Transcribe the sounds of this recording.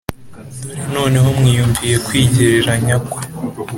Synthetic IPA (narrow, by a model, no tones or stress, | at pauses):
no̞ːne̞ɦomŋiːjuɱvije̞kwiːɟeɾeɾaɲakwa